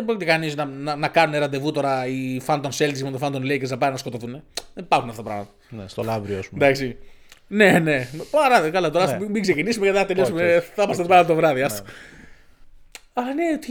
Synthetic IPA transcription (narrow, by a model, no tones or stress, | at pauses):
eboɾit̪ikɐniznɐnɐnɐkɐnuneɾɐnd̪e̞vut̪o̞ɾɐifɐnd̪onselt̪isimet̪ofɐnd̪onleikesɐpɐɾinɐsko̞t̪oθuneebɐɾxunɐft̪ot̪ɐpɾɐ̰ɣmɐt̪ɐ̥st̪olɐvɾioɐ̰snd̪ɐksine̞ne̞pɐɾɐðkɐlɐt̪oɾɐsimikse̞cinisumeceðeθɐt̪ejosumeθɐmɐssɐt̪opɾɐɣmɐt̪ɐt̪ovɾɐðiɐso̥ | ɐneot̪i